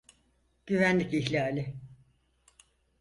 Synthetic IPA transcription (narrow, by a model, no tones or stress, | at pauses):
ɟ̥yvænlːʲiciçlʲaːlʲɪ